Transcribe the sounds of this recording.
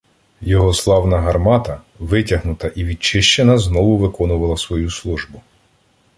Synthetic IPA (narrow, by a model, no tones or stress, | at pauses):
jɔɦɔslˠɑwnɐɦɐrmɑt̪ɐ | ʋɪtʲɐɦnʊt̪ɐʔiʋʲid̪t͡ʃɪʃt͡ʃenɐznɔʋʊʋɪkɔnʊʋɐlˠɐsʋɔjuslˠuʒbʊ